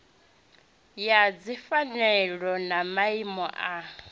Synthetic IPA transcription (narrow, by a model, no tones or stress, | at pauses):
jad͡zifanɛɺɔnamaimɔʔa